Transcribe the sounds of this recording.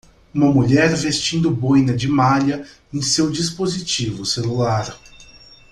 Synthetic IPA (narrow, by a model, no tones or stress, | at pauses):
ũmɐmuʎɛɾvest͡ʃĩnd̪ʊbojnɐd͡ʒɪmaʎɐ | ẽj̃sewd͡ʒis̬pozit͡ʃivʊselulaɾ